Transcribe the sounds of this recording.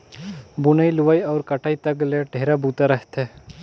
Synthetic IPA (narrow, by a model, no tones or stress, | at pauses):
bʊnəilʊʋaiɔːɾkɐʈʰaːit̪ɐkleɖʱeɦɾabuːt̪aɾəɦt̪ɛː